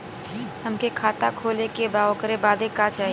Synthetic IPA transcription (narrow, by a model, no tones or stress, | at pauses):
hɐmkekʰaːt̪akʰoːlekebaːokəɾebaːd̪ʱekat͡ʃaːɦ